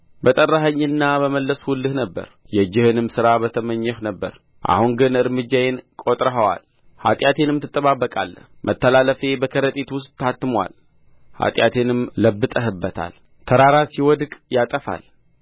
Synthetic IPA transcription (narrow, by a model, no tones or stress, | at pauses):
bət̪ʼərːaɦəɲːɨnːabəməlːəswʊlːɨhnəbːə̰ɾ | jɛd͡ʒːɪhɨnɨmsɨɾabət̪ʰəməɲːɛhnəbːə̰ɾ | ʔa̰huŋɡɨnɨɾmɨd͡ʒːajenkʼot̪ʼɾəɦəwa̰l | ha̰t̪ʼjat̪ʰe̞nɨmt̪ʰɨt̪ʼːəβabːəkʼa̰lːəmʔət̪ʰːəlaləfe̞bəkʰəɾət̪ʼet̪wʊst̪ːat̪ːɨmwa̰l | ha̰t̪ʼjat̪ʰe̞nɨmləbːɨt̪ʼəɦɨbːət̪ʰa̰l | t̪ʰəɾaɾasiwɔd̪kʼjat̪ʼəfa̰l